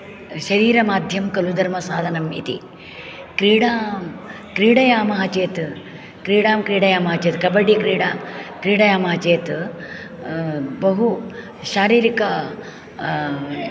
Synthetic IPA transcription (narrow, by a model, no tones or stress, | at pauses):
ʃɐɾiːɾɐmaːd̪ʱjɐmkɐlud̪ʱɐɾmɐsaːd̪ʱɐnɐmḭt̪ḭ | kɾiːɽaːm | kɾiːɽɐjaːmɐɦɐt͡ʃeːt̪ | kɾiːɽaːmkɾiːɽɐjaːmɐɦɐt͡ʃeːt̪kɐbɐɽikɾiːɽaːkɾiːɽɐjaːmɐɦɐt͡ʃeːt̪ | bɐɦu | ʃaːɾiːɾikɐ